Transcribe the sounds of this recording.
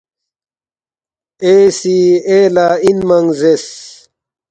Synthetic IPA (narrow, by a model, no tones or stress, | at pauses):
esieːlainmɐŋzes